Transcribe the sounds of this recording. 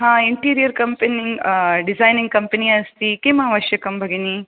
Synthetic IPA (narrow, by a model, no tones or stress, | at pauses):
ɦãːiɳʈiːɾijɐɾkɐmpeniŋɖisajnĩŋɡ̚kɐmpɐniɐst̪ikeːmɐɦaʋɐʃjɐkɐmbʱɐɡeni